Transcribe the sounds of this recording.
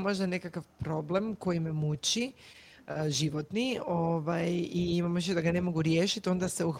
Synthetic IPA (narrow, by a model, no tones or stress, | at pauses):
mo̞ʒd̪ane̞kakaʋpɾo̞ble̞mko̞jimemut͡ɕi | ʒiʋo̞t̪nioʋajiimamoiʃed̪aɡane̞mo̞ɡuɾje̞ːʃit̪io̞nd̪aseux